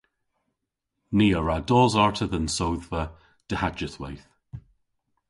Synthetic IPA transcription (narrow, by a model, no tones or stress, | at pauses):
niːəɹadɔːzaɹtʰəðənsowðvə | d̥əhad͡ʒəθwɛ̰jθ